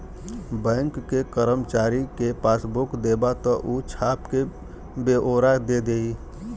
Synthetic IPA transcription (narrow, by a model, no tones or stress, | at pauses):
bɛ̃ːŋkːekəɾəmt͡ʃaːɾikepaːsbʊkd̪eːbat̪ɔʔut͡ʃʰaːpke | beʔoːɾad̪ed̪ei